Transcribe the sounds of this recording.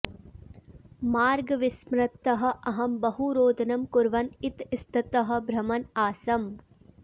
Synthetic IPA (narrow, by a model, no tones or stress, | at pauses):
maːɾɡɐʋɪsmɾɐt̪ːɐɦɐ̆ʔɐɦɐmbɐɦuɾoːd̪ʱɐnɐmkʊɾʋɐnɪt̪ɪst̪ʰɐt̪ɐɦɐ̆bʱɾɐmɐnaːsɐm